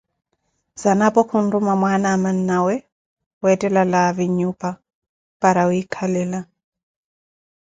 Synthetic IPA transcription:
z̥anapɔkʰundumamwanamanːawɛ | wɛtɛlalaviɲupa | paɾawikʰalɛla

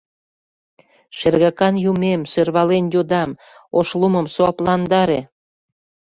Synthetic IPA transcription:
ʃĕrɣɑkɑnjumemsørβɑlenjod̪ɑm | oʃlumə̆msoɑplˠɑnd̪ɑɾe

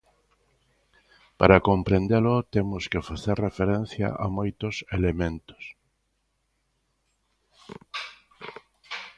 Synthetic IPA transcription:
paɾakompɾend̪elʊt̪emʊskefaθeɾrefeɾen̟θjɐ̰ʔamojt̪ʊselemẽnt̪ʊ̥s

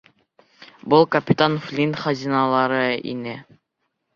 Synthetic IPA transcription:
bɤlˠkɐpʲɪt̪anflʲinχɑzʲinɑlˠɑɾɤḭnɘ

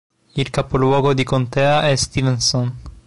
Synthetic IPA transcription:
ilkapolwɔɡod̪ikont̪eaʔɛst̪ivenson

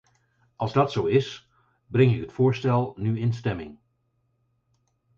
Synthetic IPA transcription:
ʔɑlˠzdɑtsowɪs | brɛŋɪkɦətfʊːɹstɛlˠnyɪnstɛmɪŋ

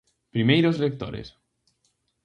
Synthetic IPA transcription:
pɾimejɾozlek̚t̪o̰ɾḛs

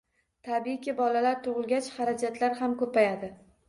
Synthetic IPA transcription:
t̪ʰabikʲɪbɒlalaɾt̪ʰʊʁɨlˠɡʲat͡ʃhaɾad͡ʒat̪laɾhamkɵpʰajad̪ɪ

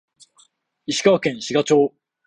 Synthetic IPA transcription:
iɕi̥kaβakẽ̞ɰ̃ɕiɡat͡ɕo̞ː

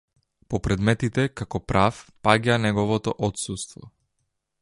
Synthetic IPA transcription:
pɔpɾɛd̪mɛt̪it̪ɛkakɔpɾʔafpaɡanɛɡɔvɔt̪ɔʔɔt̪sust̪vɔ̰

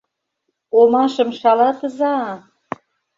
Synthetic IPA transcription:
omɑʃɤ̆mʃɑlɑt̪əzɑ

